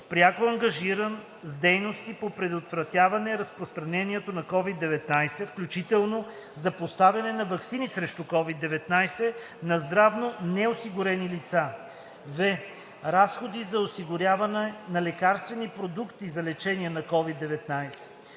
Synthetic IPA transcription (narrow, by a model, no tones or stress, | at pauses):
pɾʲjakoɐŋɡɐʒiɾən | zd̪ɛjnost̪ipopɾɛd̪ot̪vɾɐt̪ʲjavɐnɛɾɐspɾost̪ɾɐnɛniɛt̪onɐkɔvid̪ːɛvɛt̪najsɛfklʲut͡ʃit̪ɛlˠno | zɐpost̪avjɐnɛnɐvɐksinisɾɛʃt̪ukɔvid̪ːɛvɛt̪najsɛ | nɐzd̪ɾavnonɛosiɡʊɾɛnilit̪sa | vɛ | ɾasxod̪izɐosiɡʊɾʲavɐnɛnɐlɛkaɾst̪vɛnipɾod̪ukt̪izɐlɛt͡ʃɛniɛnɐkɔvid̪ːɛvɛt̪najsɛ̥